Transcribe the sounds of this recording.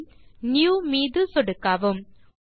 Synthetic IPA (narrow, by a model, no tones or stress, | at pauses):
njuːmiːd̪ɯsɔɽɯkːaːʋɯm